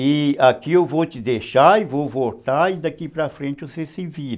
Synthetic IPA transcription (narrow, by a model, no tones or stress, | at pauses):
ɪakiewvot͡ʃɪd̪eʃaɪvovoɾt̪aɪd̪akipɾɐfɾẽnt͡ʃɪosesɪviɾ